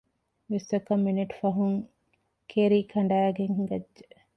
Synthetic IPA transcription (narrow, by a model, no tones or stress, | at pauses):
ʋesʋɐkːɐmːineʈfɐɦuŋ | kʰeɾiːkʰɐɳɖæːɡeŋhɡɐdːʒe